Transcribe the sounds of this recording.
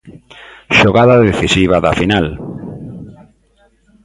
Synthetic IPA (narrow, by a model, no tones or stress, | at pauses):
ʃoɣaðaðeθisiβ̞aðafinal